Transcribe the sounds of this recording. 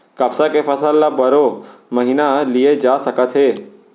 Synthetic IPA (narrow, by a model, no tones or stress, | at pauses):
kəpsakefʰəsəlːabəɾoməɦinalijed͡ʒaːsəkət̪ɦeː